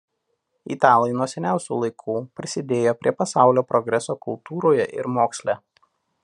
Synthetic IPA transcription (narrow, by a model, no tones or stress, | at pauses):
ḭːt̪ɑːlˠɐɪnuɔsʲɛnʲæˑʊsʲṵːlˠɐɪkʰuːpʲɾʲɪsʲɪd̪ʲeːjoːpʲɾʲiɛpɐsɑˑʊlʲoːpɾɔɡɾʲɛsoːkʊlˠt̪uːɾoːjɛʔɪ̰ɾmoːksʲlʲæː